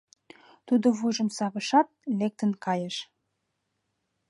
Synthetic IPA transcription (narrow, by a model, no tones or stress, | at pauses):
t̪ud̪oβuʒə̆msɑβəʃɑt̪̚lek̚t̪ənkɑjəʃ